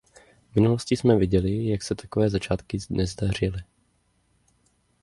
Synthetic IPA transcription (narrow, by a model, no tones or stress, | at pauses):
vmɪnuloscɪsmɛvɪɟɛlɪjaksɛt̪ḁkovɛːzat͡ʃaːt̪kɪzdnɛzdar̝ɪlɪ